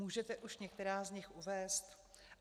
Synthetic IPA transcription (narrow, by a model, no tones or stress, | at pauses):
uːʒɛt̪ɛʔuʃɲɛk̚t̪ɛɾaːzɲɪxʔuvɛːst̪